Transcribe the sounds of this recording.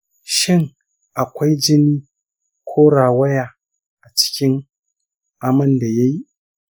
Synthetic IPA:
ʃɪ˦˨ŋ | ʔa˨kʷa˦jd͡ʒɪ˦niː˦ | kʷʰoː˦ɽaː˨wɐ˦jaː˨ | ʔa˨t͡ʃɪ̥˦kʲɪ˦ŋ | ʔa˨mɐ˦˨nda˨ja˦ji˦

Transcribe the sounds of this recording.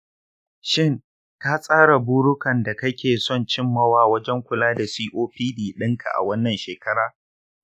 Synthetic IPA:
ʃɪ˦˨ŋ | taː˦sʼaː˦ɽa˨buː˦ɽʊ˦kɐ˨nda˨kɐ˦kʲʰeː˨sɔ˦˨nt͡ʃɪ˦mːɐ˦waː˦˨wɐ˦d͡ʒɛ˦ŋkʷʊ˨laː˦da˨siː˦ʔoː˦ɸiː˦diː˨ɗɪ˦ŋkʰa̰˨ʔa̰˨wɐ˦nːɐ˨nʃeː˨kɐ˦ɽaː˦

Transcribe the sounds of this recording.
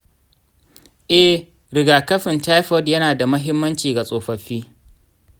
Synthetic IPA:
ʔɛ˦ | ɾɪ˨ɡaː˨kɐ˦ɸɪ˨nta˦jɸɔ˦djɐ˦naː˨da˨mɐ˦ɦɪ˦mːɐ˦nt͡ʃiː˨ɡa˨sʼoː˨ɸɐ˨ɸiː˦

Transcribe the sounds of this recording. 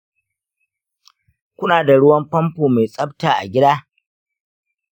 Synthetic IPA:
kʷʊ˦naː˨da˨ɽʊ˦wɐ˦mpɐ˦mpoː˨ma˨jsʼɐ˦ptaː˨ʔa̰˨ɡʲɪ˦daː˦

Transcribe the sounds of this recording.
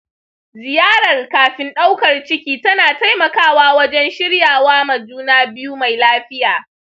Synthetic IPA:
zɪ˨jaː˦ɽɐ˨rkaː˨ɸɪ˦nɗa˦wkɐ˨rt͡ʃɪ˦kʲiː˦tɐ˦naː˨ta˦jmɐ˨kaː˦˨waː˦wɐ˦d͡ʒɛ˦nʃɪ˦ɽjaː˨waː˦mɐ˨d͡ʒuː˦naː˦bɪ˦juː˦ma˨jlaː˦ɸɪ˦jaː˨

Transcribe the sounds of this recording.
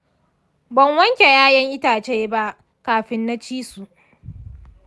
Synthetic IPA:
bɐ˨ŋwɐ˦ŋkʲe˨jaː˦jɐ˦ŋʔɪ˦taː˨t͡ʃeː˦ba˦ʔ | kaː˨ɸɪ˦nːa˦t͡ʃiː˦su˨ʔ

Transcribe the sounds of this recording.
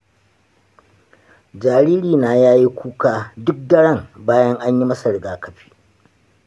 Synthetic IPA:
d͡ʒaː˨ɾiː˦ɾiː˨naː˨jaː˦ji˦kʷuː˦kaː˦dʊ˦k̚dɐ˦ɽɐ˦˨ŋbaː˦jɐ˦ŋʔa˦ɲji˦mɐ˦sɐ˨ɽɡaː˨kɐ˨ɸi̥ː˦

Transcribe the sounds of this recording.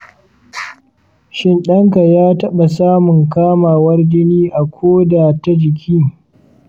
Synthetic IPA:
ʃɪ˦nɗɐ˦ŋka˨jaː˦tɐ˦ɓa˨saː˦mʊ˨ŋkaː˦maː˨wɐ˦rd͡ʒɪ˦niː˦ʔa˨kʷʰoː˦da˨ta˦d͡ʒɪ˨kʲʰiː˦

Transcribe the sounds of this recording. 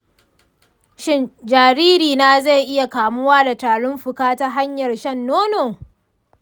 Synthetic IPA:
ʃɪ˦nd͡ʒaː˨ɾiː˦ɾiː˨naː˦za˦˨jʔɪ˦ja˨kaː˨mʊ˦waː˦da˨taː˨ɽʊ˦mɸʊ˨kaː˦ta˦ɦa˦ɲjɐ˨rʃɐ˦˨nːoː˦noː˨

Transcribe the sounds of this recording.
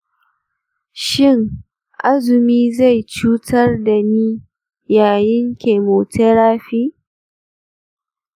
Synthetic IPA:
ʃɪ˦˨ŋ | ʔa˦zʊ˨miː˦za˦˨jt͡ʃuː˦tʰɐ˦rda˨niː˦ | jaː˨jɪ˦ŋkʲe˨moː˨tʰe˦ɽaː˦ɸiː˦

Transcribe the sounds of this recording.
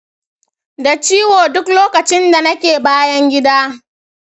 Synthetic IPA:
da˨t͡ʃiː˦woː˨dʊ˦kloː˦kɐ˨t͡ʃɪ˦nda˨nɐ˦kʲeː˨baː˦jɐ˦ŋɡʲɪ˦daː˦

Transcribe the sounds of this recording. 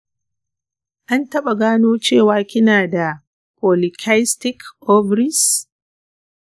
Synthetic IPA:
ʔa˦ntɐ˦ɓa˨ɡaː˦noː˦t͡ʃeː˦˨waː˦kʲɪ˦naː˨da˨ | pɔ˨lɪ˨kʲʰa˦jstɪ˦kʔɔ˦bɾɪ˦s

